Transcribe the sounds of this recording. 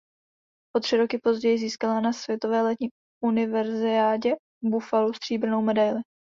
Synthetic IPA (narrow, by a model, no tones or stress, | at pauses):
ʔo̞t̪r̝̥ɪɾo̞kɪpo̞zɟɛjɪziːskalanasvjɛt̪o̞vɛːlɛt̪ɲiː | unɪvɛɾzɪaːɟɛ | bufalust̪r̝̥iːbɾ̩no̞wmɛdajlɪ